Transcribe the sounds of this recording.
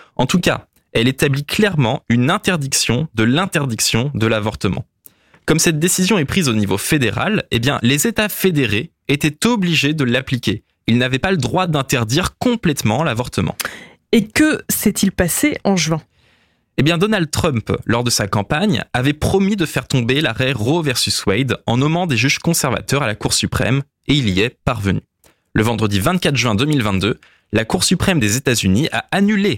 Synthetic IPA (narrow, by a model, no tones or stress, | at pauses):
ɑ̰̃t̪uka̰ | ɛlet̪abliklɛʁmɑ̃ynɛ̃t̪ɛʁd̪iksjɔ̃d̪əlɛ̃t̪ɛʁd̪iksjɔ̃d̪əlavɔʁt̪əmɑ̰̃ | kɔmsɛt̪̚d̪esizjɔ̃ɛpχizonivofed̪eʁa̰lḛbjɛ̰̃lezet̪afed̪eʁe | et̪ɛt̪ɔbliʒed̪əlaplikʲe | ilnavɛpaləd̪ʁwad̪ɛ̃t̪ɛʁd̪iʁkɔ̃plɛt̪mɑ̃lavɔʁt̪əmɑ̰̃ | ekəsɛt̪ʰilpaseʔɑ̃ʒɥɛ̃ | ebjɛ̃d̪ɔnald̪̚t̪χœ̃mplɔʁd̪əsakɑ̃paɲavɛpχɔmid̪əfɛʁt̪ɔ̃belaʁɛʁovɛʁsyswɛjd̪ɑ̃nɔmɑ̃d̪eʒyʒkɔ̃sɛʁva̰t̪œʁalakuʁsypχɛ̰m | eiliɛpaʁvəny | ləvɑ̃d̪ʁəd̪ivɛ̃t̪̚kat̪χʒɥɛ̃d̪əmilvɛ̃t̪̚d̪ø | lakuʁsypχɛmd̪ezet̪azyniʔa̰anyle